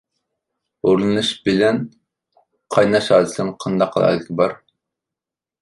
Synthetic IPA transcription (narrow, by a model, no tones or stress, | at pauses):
oɾlˠɨnɨʃbɪlɛn | qʰɑjnɑʃɑːɾt̪ʰlɨɾmɨqʰɑnd̪ɑqʰːəlˠɑ̰ːd̪ɪkʲʰɪbɑɾ